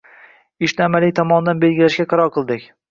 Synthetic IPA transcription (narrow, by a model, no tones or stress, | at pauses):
ɪʃnɪamalɪjt̪ʰɒmɒnd̪anbe̞lɡʲɪlaʃɡʲaqʰɑɾɒɾqʰɨlˠd̪ɪkʲ